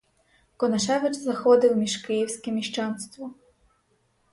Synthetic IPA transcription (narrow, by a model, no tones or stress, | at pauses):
kɔnɐʃɛʋɪt͡ʃzɐxɔd̪ɪwmʲiʒkɪjiwsʲkɛmʲiʃt͡ʃɑnst̪ʋɔ